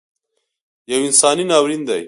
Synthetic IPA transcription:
jɐwinsɑːninɑːwɾind̪ɐj

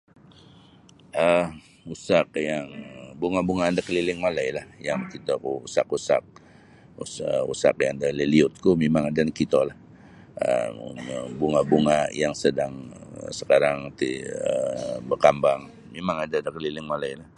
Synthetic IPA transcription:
ʔə | usak̚jaŋbuŋabuŋaːdakəlilɪŋmalajlahjaŋkit̪akuusa̰kusa̰k̚ | usəṵsa̰kjaŋdaliliʊt̪̚kumemaŋadankit̪olah | ə̰əbuŋabuŋajaŋsədaŋsəkaɾaŋt̪iəbərkambaŋ | memaŋadadakəlilɪŋmalajlah

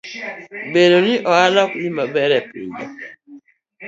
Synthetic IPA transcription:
bedoniʔɔalɔk̚nimabɛɾɛpḭdɔ

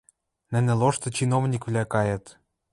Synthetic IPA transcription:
nɘ̆nɘ̆loʃt̪ɤ̆t͡ɕinovnʲikβlækɑjɤ̆t̪

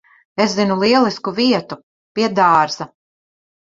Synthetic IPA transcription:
eszinulˠiɛlˠiskuviɛt̪u | piɛd̪aːɾz̥ɐ

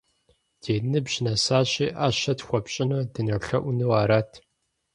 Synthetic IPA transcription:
d̥ʰeːnɨbʑnɐsaːɕiːʔaːɕɐtxʷɔpɕʼɪnɐdɨnɨrɬɐʔʷʊnɨwaːɾaːtʰ

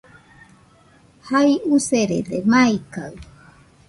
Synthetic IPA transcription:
hajuseɾḛdemaika̰w

